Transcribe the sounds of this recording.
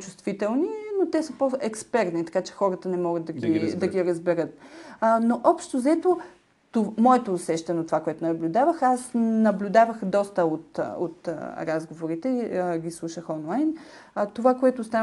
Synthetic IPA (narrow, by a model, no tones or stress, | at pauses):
t͡ʃu̥st̪vit̪ɛlˠninot̪ɛsəpoɛkspɛɾt̪nit̪ɐ̥kat͡ʃɛ̥xɔɾət̪ənɛmɔɡəd̪d̪ɐɡʲid̪ɐɡʲiɾəzbɛɾət̪noʔɔpʃt̪ozɛt̪o | t̪omɔɛt̪oːsɛʃt̪ɐnot̪ovakoɛt̪onɐblʲud̪avəxasnɐblʲud̪avəxd̪ɔst̪əot̪o̰t̪ɾazɡovoɾit̪ɛɡislˠuʃəxɔnlˠajn | t̪ovakoɛt̪ost̪a